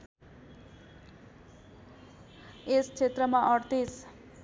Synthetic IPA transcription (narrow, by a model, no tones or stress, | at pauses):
est͡sʰet̪rʌmaʔʌɽt̪is